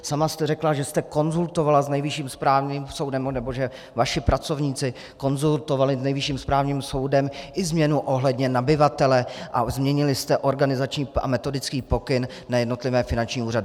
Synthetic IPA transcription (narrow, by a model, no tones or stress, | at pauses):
samast̪ɛrɛklaʒɛst̪ɛko̞nzult̪o̞valaznɛjvɪʃiːmspɾaːvɲiːmso̞wdɛmnɛbo̞ʒɛ | vaʃɪpɾat͡so̞vɲiːt͡sɪ | ko̞nzult̪o̞valɪznɛjvɪʃiːmspɾaːvɲiːmso̞wdɛmʔɪzmɲɛnuʔo̞ɦlɛdɲɛnabɪvat̪ɛlɛʔazmɲɛɲɪlɪst̪ɛʔo̞ɾɡanɪzat͡ʃɲiːa̰mɛt̪o̞dɪt͡skiːpo̞kɪn | najɛdno̞t̪lɪvɛːfɪnant͡ʃɲiːuːradɪ